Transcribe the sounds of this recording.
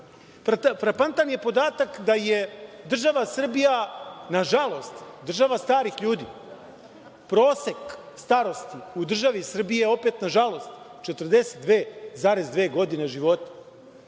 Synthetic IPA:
fɾat̪fɾapant̪anje̞po̞d̪aːt̪akd̪aje̞d̪r̩ʒaʋasr̩bijanaʒalˠo̞st̪d̪r̩ʒaʋast̪aːɾixʎuːd̪ḭː | pɾo̞ːsek | st̪aːɾo̞st̪iud̪r̩ʒaʋisr̩bije̞o̞pet̪naʒalˠo̞st̪ | t͡ʃet̪rd̪e̞set̪̚d̪ʋeːzaːɾezd̪ʋeːɡo̞d̪ine̞ʒiʋo̞t̪ḁ

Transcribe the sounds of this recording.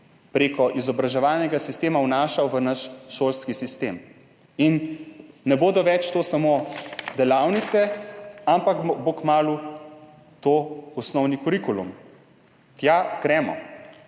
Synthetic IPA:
pɾeːkɔʔizɔbɾaʒɛʋaːlnɛɡasist̪eːmawnaːʃawʋənaʃʃoːlskisist̪eːm | inː | ɛboːd̪ɔʋɛt͡ʃt̪oːsamoːd̪ɛlawnit̪sɛampakbokmaːlu | t̪oːɔsnɔwnikɔɾikulṵm | t̪jaɡ̥ɾɛːmɔ̰

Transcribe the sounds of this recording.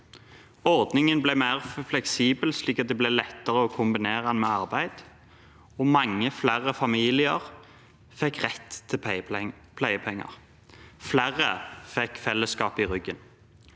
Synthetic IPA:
ɔʁd̪nɪŋənblɛmæːʁflɛksiːbəlsliːkɑt̪̚d̪ɛblælɛt̪ːəʁəɔːkʰʊmbɪneːʁəɛnmeːɑʁbæɪd̪̥ | oːmɑŋːəflæʁəfɑmiːlɪəʁ | fɛkʁɛt̪ʰːɪ | pʰlæɪəpʰɛŋːɑ̰ʁ | flæʁəfɛkfɛlːəskɑːpɪʁʏɡən

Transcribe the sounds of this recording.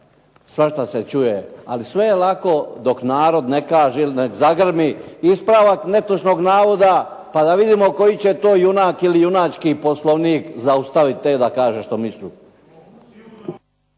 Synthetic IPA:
sʋaʃt̪aset͡ʃujea̰lisʋe̞jelako̞d̪o̞knaːɾo̞d̪nekaːʒeilnekzaɡr̩miispɾaʋakne̞t̪uʃnoɡnaːʋo̞d̪a | pad̪aʋid̪imo̞ko̞jit͡ɕet̪oːjunaːkilijunat͡ʃkipo̞slˠoʋnikzaust̪aʋit̪ːed̪akaːʒeʃt̪omislḭː

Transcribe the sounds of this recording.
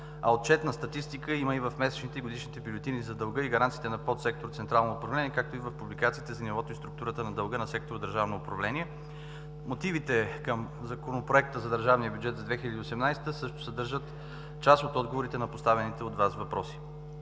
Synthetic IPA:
ɐ̰ot̪̚t͡ʃɛt̪nɐst̪ɐt̪ist̪ikəiməivɐfmɛsɛ̥t͡ʃnit̪ɛiɡod̪iʃnit̪ɛbʲylʲot̪inizɐd̪əlˠɡɤiɡɐɾant̪siːt̪ɛnɐpɔt̪sɛk̚t̪oɾt̪sɛnt̪ɾalˠnoːpɾɐvlɛniɛkak̚t̪oivəfpublikat̪siːt̪ɛzɐnivɔt̪oist̪ɾukt̪uɾət̪ənɐd̪əlˠɡənɐsɛk̚t̪oɾod̪əɾʒavnoːpɾɐvlɛniɛ | mot̪ivit̪ɛkəm | zɐkonopɾoɛk̚t̪əzɐd̪əɾʒavniəbjud͡ʒɛt̪zɐd̪vɛxilʲəd̪iosɛmnajst̪əsɤʃt̪ʊ̥sɛd̪ɤɾʒət̪ | t͡ʃasot̪ɔd̪ɡovoɾit̪ɛnɐpost̪avɛnit̪ɛod̪vasvɐpɾɔsi̥

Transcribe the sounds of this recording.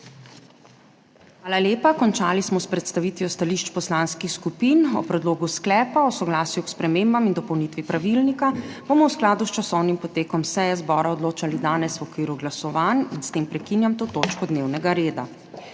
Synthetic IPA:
xʋaːlaljeːpakɔnt͡ʃaːlismɔspɾɛt̪st̪aʋiːt̪ʋijɔst̪aliʃt͡ʃpɔslaːnskixskupiːnɔ̰pɾɛd̪loːɡusklɛːpaɔsɔɡlaːsjukspɾɛmeːmbamind̪ɔpɔwnit̪ʋipɾaʋilnikab̥omɔwsklaːd̪ust͡ʃasɔwnimpɔt̪eːkɔmsɛjɛzbɔːɾaɔd̪loːt͡ʃalid̪aːnɛswɔkʋiːɾuɡlasɔʋaninst̪eːmpɾɛkinjamt̪oːt̪oːt͡ʃkɔd̪neːwnɛɡaɾeːd̪a

